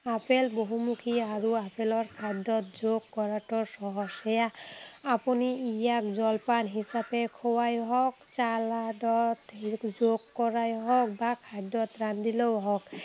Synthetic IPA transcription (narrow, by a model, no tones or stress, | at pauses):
apelboɦumukʰiaɹuapʰelɔɹkʰajd̪ːɔt̪̚zoɡːɔɹaʈɔɹsɔɦɔsɛjaː | puniijak̚zɔlpanɦisapɛkʰɔwajɦɔk̚t͡ʃaladɔt̪zoɡːɔɹajɦɔk̚bakʰajd̪ɔt̪ɹand̪ilɔwɦɔk